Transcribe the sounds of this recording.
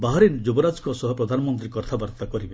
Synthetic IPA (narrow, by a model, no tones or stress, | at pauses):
baɦɔɾind͡ʒubɔɾad͡ʒkɔsɔɦɔpɾɔd̪ʱanɔmɔnt̪ɾikɔɾt̪ʰabaɾt̪akɔɾibe